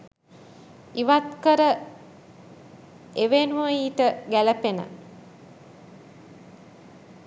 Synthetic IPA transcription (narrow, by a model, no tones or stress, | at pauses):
iʋat̪kəɾə | eʋenuəiːʈəɡæləpenə̰